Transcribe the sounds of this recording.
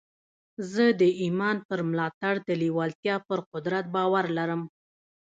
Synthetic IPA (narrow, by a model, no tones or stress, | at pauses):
zəd̪əʔimɑnpəɾmlɑt̪aɽd̪əliwɑlt̪jɑpəɾqʊd̪ɾat̪̚bɑwaɾlaɾəm